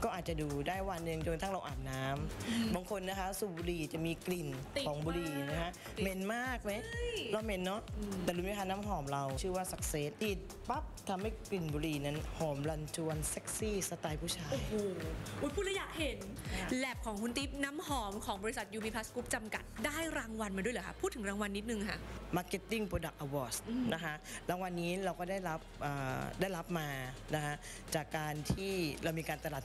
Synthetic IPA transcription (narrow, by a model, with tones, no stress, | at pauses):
kɔː˥˩ʔaː˨˩t̪̚t͡ɕa˨˩duː˧daː˥˩jwa˧nːɯ˨ŋt͡ɕo˧nt̪ʰa˥˩ɾa˧wʔa̰ː˨˩n̚naː˦˥mbaː˧ŋkʰo˧nːa˦˥kʰa˦˥suː˨˩buː˧ɾiː˧˩t͡ɕa˨˩miː˧kli˨˩nʰ˨ | ɔː˩˨˦ŋbuː˧ɾiː˧˨˩ja˨˩ŋna˦˥kʰa˦˥ | me˧nmaː˥˩k̚ma˦˥jla˧˩me˧nːɔ˦˥˧t̪ɛː˨˩ɾuː˧˦m˧˦˥pʰaː˧naː˦˥mɦɔː˨˩˦mɾa˧wt͡ɕʰɯː˥˩waː˥˩sa˨˩k̚se˦˥t̪̚ʔ̪iː˨˩t̪̚ | pa˦˥p̚t̪ʰa˧mha˦˥˩jkli˨˩nbuː˧ɾiː˧˩na˦˥nhɔː˩˦mla˧nt̪ʰuː˧nse˦˥k̚siː˥˩sa˧t̪aː˧jpʰuː˥˩t͡ɕʰaː˧oː˧jhoː˧˩ʔu˦˥t̪pʰuː˥˩lɛ˦˥jaː˨˩k̚he˨˩˦n | lɛ˨˩p̚kʰɔː˩˦ŋkʰu˧nt̪i˦˥p̚na˦˥mhɔː˩˦mkʰɔː˩˦ŋbɔː˧ɾi˦˥sa˨˩t̪̚juː˧mi˧˥pʰa˦˥skuː˦˥p̚t͡ɕa˧mka̰˨˩t̪̚daː˥˩jɾaː˧ŋwa˧nmaː˧du˥˩jlːəː˨˩˦ka˥pʰuː˥˩t̪ʰːɯ˩˦ŋɾaː˧ŋwa˧nːi˦˥t̪̚nɯ˧ŋkʰa˦˥ʔmaː˧˥ke˦˥t̪ːi˥˩ŋpɾoː˧da˨˩k̚ʔa˧wɔː˦˩sna˦˥kʰa˦˥ʔlaː˧ŋwa˧nːiː˦˥ɾa˧wkɔː˥˩daː˥˩jɾa˦˥p̚ʔəː˨˩daː˥˩jɾa˦˥p̚maː˧na˦˥kʰa˦˥ʔ | t͡ɕaː˨˩kːaː˧nt̪ʰiː˥˩ɾa˧wmiː˧kaː˧nt̪a˧laː˨˩